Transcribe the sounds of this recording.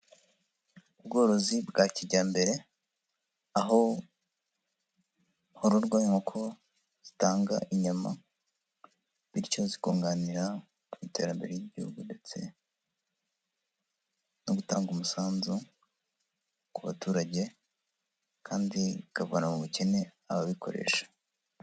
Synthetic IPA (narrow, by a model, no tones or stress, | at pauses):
ubɡo̞ːɾo̞zibɡaːciɾɟaːmbe̞ɾe̞ | aɦo̞ | hoɾuɾɡwaimokʰo̞ | z̥itaːŋɡa̰ʔiɲama̰ | βiɾco̞ziko̞ːŋɡaniɾa | umite̞ːɾambe̞̰ɾejeɟihṵɡunde̞t͡se̞̰ | noɡutaːŋɡumusaːnzu | kuβa̰tuːɾaɟe̞ | kʰaːndiikavonamuβuce̞ne̞ | aβaβikʰo̞̰ɾe̞̰ːʃḁ